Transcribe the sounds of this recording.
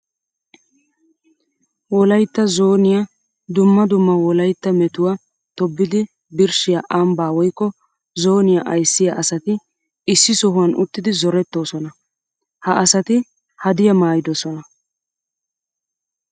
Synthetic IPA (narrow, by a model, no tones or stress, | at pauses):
wɔlɐjt̪ːɐzoːnɪja | d̪ʊmːɐd̪ʊmːɐwɔlɐjt̪ːɐmɛt̪ʊwa | t̪ɔbːɪd̪ɪ | bɪɾʃɪjaʔɐmbaːwɔjkːɔ | zo̞ːnɪjaʔɐjsːɪjɐʔɐsɐt̪ɪ | ɪsːɪsɔɦʊwɐnʔʊt̪ːɪd̪ɪzɔɾɛt̪ːo̞ːsɔnɐ | hɐʔɐsɐt̪ɪ | hɐd̪ɪjɐmaːjɪd̪ɔsɔnɐ